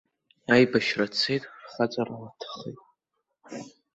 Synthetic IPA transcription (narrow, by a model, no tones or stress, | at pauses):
ajbaʃrat͡sʰejtʼrχat͡sʼaralatʰḁχejtʼ